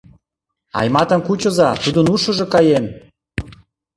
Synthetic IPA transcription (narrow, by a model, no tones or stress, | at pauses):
ɑ̰jmɑt̪ə̆mkut͡ɕə̆zɑt̪ud̪ənuʃə̆ʒɤ̆kɑjem